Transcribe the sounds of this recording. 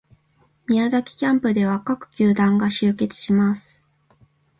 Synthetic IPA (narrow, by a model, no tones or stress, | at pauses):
mʲiazakʲi̥kʲãmpɯ̟d̪e̞β̞akakɯ̟̥kʲɨːd̪ãŋɡaɕɨːke̞t͡sɨ̥ɕimasɨ̥